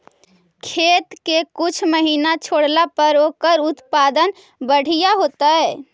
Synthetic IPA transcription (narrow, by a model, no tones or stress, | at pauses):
kʰet̪kekut͡ʃʰməɦinat͡ʃʰoɽlapəɾokəɾut̪pad̪ən | bəɽ̤ijaɦot̪əe